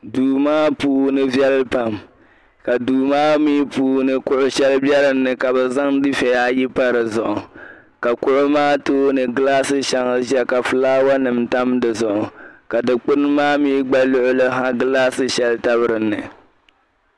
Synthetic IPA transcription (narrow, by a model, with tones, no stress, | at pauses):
duː˨maː˦puː˦nɨ˦vjɛ˦lɨ˦pa˨m | ka˨duː˨maː˦miː˦puː˦nɨ˨kʊ˦ʔʊ˦ʃɛ˦lbɛ˦ɾɨ˨nːɨ˨ka˨bɛ˨za˦ŋdɨ˦fɛ˨jaː˦ji˦pa˦ɾɨ˨zʊ˨ʔʊ˨ | ka˨kʊ˦ʔʊ˦maː˦toː˦nɨ˨ɡɨ˦laː˦sɨ˦ʃa˦ŋ˦ʒɛ˦ka˨fɨ˨laː˦wa˦nɨ˨mta˦mdɨ˨zʊ˨ʔʊ˨ka˨dɨ˨k͡pʊ˦n˦maː˦miː˦ɡ͡ba˦lʊ˦ʔʊ˦lɨ˦ɦã˦ɡɨ˦laː˦sɨ˦ʃɛ˦lta˦bɨ˨ɾɨ˨nːɨ˨